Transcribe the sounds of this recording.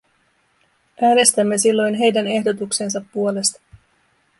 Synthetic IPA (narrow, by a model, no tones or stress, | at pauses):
ʔæːne̞st̪æmːe̞silːo̞jnɦe̞jdæne̞hdo̞t̪ukse̞ns̬ɑpːuo̞le̞st̪ɑ̥